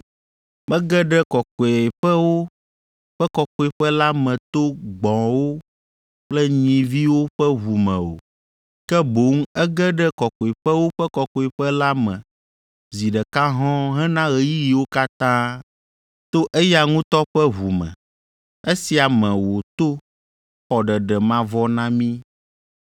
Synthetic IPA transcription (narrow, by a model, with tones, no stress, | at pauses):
mɛ̃˦ɡɛ˦ɖɛ˦kɔ˨kɔ˨e˨ɸɛ˦wo˦ | ɸɛ˦kɔ˨kɔ˨˦e˨ɸɛ˦la˦mɛ̃˨t̪o˦ɡ͡bɔ̃˨wo˦ | k͡plɛ˦ɲĩ˨vi˦wo˦ɸɛ˦βu˨mɛ̃˨o̰˨ | kɛ˦bo˨˦ŋ˦ɛ˦ɡɛ˦ɖɛ˦kɔ˨kɔ˨i˨ɸɛ˦wo˦ɸɛ˦kɔ˨kɔ˨e˨ɸɛ˦la˦mɛ̃˨ | zi˨ɖɛ˨ka˦ɦɔ̃˦ɦɛ̃˦nã˦ɣɛ˨ji˦ji˨wo˦ka˦t̪ã˦ | t̪o˦ʔe˦ja˨ŋũ˦t̪ɔ˦ɸɛ˦βu˨mɛ̰̃˨ | e˦si˨a˨mɛ̃˨wo˨t̪o˦ | xɔ˨ɖɛ˨ɖɛ˨mã˦vɔ˦nã˦mĩ˦